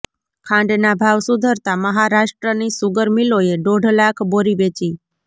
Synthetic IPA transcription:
kʰãɳɖnabʱaʋsud̪ʱəɾt̪aməɦaɾaʃʈɾənisuɡəɾmiloeɖoɖʱlakʰboɾiʋet͡ʃi

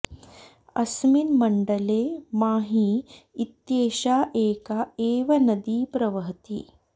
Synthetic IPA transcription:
ɐsminmɐɳɖɐleːmaːɦiːt̪jeːʃaːʔeːkaeːʋɐnɐd̪iːpɾɐʋɐɦt̪ḭ

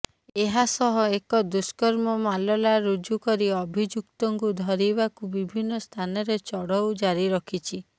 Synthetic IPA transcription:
eɦasɔɦɔekɔd̪uskɔɾmɔmalɔlaɾud͡ʒukɔɾiɔbʱid͡ʒuk̚t̪ɔŋkud̪ʱɔɾibakubibʱinːɔst̪ʰanɔɾet͡ʃɔɽɔwd͡ʒaɾiɾɔkʰit͡ʃʰi

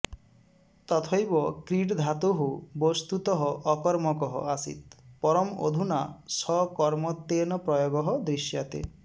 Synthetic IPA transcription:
t̪ɔt̪ʰɔjbɔkɾiɖd̪ʱat̪uɦubɔst̪ut̪ɔɦɔʔɔkɔɾmɔkɔɦɔ̰asḭt̪̚pɔɾɔmo̰d̪ʱunasɔkɔɾmɔt̪ːenɔpɾɔjɔɡɔɦɔd̪ɾisjat̪ḛ

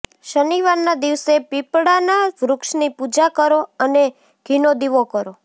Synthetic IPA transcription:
ʃəniʋaɾnad̪iʋsepipɽanaʋɾʊkʃnipud͡ʒakəɾoəne | ɡ̥ʱinod̪iʋokəɾo

